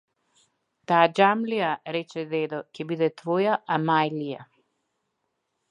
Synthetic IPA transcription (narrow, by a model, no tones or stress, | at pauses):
t̪aːd͡ʒamlijaɾɛt͡ʃɛd̪ɛd̪ɔcɛbid̪ɛt̪vojaʔamajlija